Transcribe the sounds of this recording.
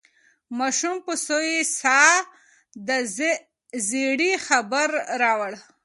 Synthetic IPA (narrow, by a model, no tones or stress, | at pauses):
mɑʃumpəsojesɑ | d̪ə | zeɽixabəɾɾɑwəɽ